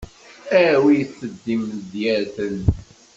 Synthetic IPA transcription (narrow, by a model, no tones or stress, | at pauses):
æwijəθːəd̪ːimd̪jæɾθən